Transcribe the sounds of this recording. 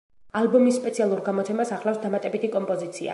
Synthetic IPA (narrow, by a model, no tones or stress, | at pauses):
albɔmisːpʼɛt̪sʰialˠuɾɡamɔt̪sʰɛmasaχlafsd̪amat̪ʼɛbit̪ʰikʼɔmpʼɔzit̪sʰia̰